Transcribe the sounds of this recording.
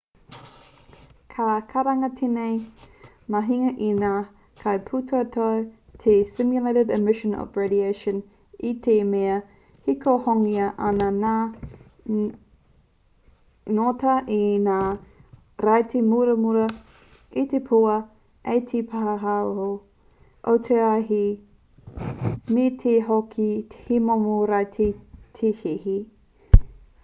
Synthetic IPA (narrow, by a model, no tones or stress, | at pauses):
kʰakʰɐɾɐŋɐtʰenej | mɐɦiŋɐʔinaː | kʰɐjpʰutʰoɐtʰatʰesɪmjuleɾedɛmɪʃə̃nɔ̰vɹedieʃə̃n | itʰemeɐ | hikʰohoŋiɐʔɐnɐna | notɐʔenaː | ɾajtʰemuɾɐmuɾɐ | it̪epʰuɐ | ejtʰipʰaɦɐɦaoho | ʔot̪ʰeɐɦi | met̪ʰeɦokʰithimomoɾajtʰitʰehihi